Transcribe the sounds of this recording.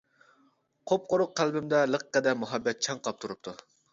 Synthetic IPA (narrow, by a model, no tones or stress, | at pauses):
qʰop̚qoɾʊqqːælbɪmd̪ɛləqqːæd̪ɛmuɦɑbːɛt̪̚t͡ʃʰɛŋqʰɑp̚t̪ʰuɾup̚t̪ʰu